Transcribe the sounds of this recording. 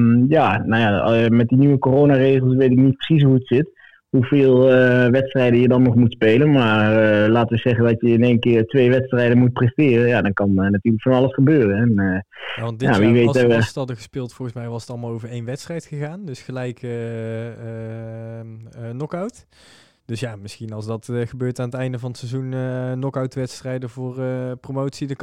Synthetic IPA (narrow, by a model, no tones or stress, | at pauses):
janawjamɛt̚dinyʋəkorownaːreːχəlˠsʋejtɪknit̚prə̥sis̬ɦuətsɪt | ɦuveːlˠəʋɛtstrɛjdənjədɑnːɔχmutspejlənmaːrlaːtəʋəzɛχəndɑtjəɪnejnkɪːrtʋejʋɛtstrɛjdənmut̚prɛstɪːrənjadɑnkɑnnatyːɹləkfɑnɑlˠəsχəbøːrənɛnəjaɑndjaʋiʋejɛəstɑdəɣəspɪːlˠtfɔlˠɣəsmɛjʋɑsətɑlˠmaːlˠowvəɹejnʋɛtstrɛjtχəɣaːndɵsχəlɛjkː | nɔkawt | d̥ɵsjamɪsxinɑlˠsdɑtχəbøːɹtaːnətɛjndəvɑnətsɛzunənɔkawtʋɛtstrɛjdəvʊːrpromowtsid